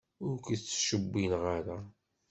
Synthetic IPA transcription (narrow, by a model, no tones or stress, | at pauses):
ʊɾkʷit͡sːʃəbːinʁaɾa